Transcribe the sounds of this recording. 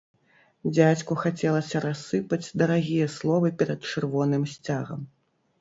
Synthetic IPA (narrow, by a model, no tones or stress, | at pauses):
d͡zʲat͡sʲkuxat͡sʲɛlˠɐsʲɐɾasːɨpɐd͡zʲd̪ɐɾaɣʲijɐslˠɔvɨpʲɛɾɐt̪t͡ʂɨrvɔnɨmsʲt͡sʲaɣɐm